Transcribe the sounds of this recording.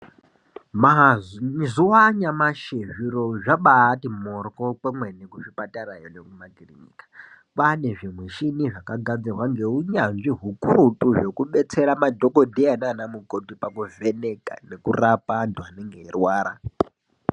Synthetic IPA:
maɦzuwaɲamaʃeviɾoʐaɓaːtimorkokemwenekuʂipataɾajonekumaɡʱiriɲḭkḁ | pane̞ʐimweʃiniʐakaɡʱad͡zirwaŋɡe̞uɲanʐiɦukuɾutuʐe̞kuɓet͡se̞ɾamadʱokodʱeananamukotipakuve̞ne̞ka̰ne̞kurapantuɦaneŋɡeirwaːɾa

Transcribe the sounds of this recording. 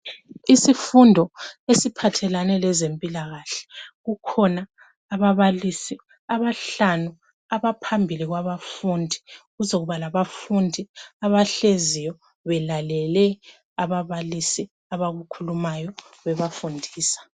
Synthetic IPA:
isifundʱɔesipʰatʰɛlanɛlɛzempʼilaɣaɬɛ̥ɣukʰɔnaː | βaβalisi | aβaɬanu | aβapʰambʱiliɣwaβafundʱiɣuzoɣuβalaβafundʱiaβaɬezijɔ | βɛlalɛlɛ | aβaβalisi | aβaɣukʰulumajɔβɛβafundʱiːsḁ

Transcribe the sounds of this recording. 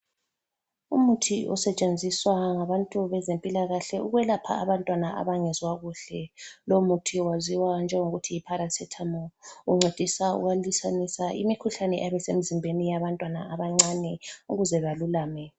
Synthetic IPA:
umutʰiʔɔ̰sɛt͡ʃʼend͡zʱiswaŋaβantʼuβɛzempʼilaɣaɬɛuɣwɛlapʰa̰aβantʼwanaʔa̰βaŋɛzwaɣuɬɛlomutʰiwaziwand͡ʒʱɛŋoɣutʰiipʰaɾasɛtʰamɔuŋ͡ǀʱed̥ʱisaṵɣalisanisaʔḭmikʰuɬanɛʔɛβɛsem̩zimbʱenijaβantʼwana̰ʔaβaŋ͡ǀanɛuɣuzɛβalulaːmɛ

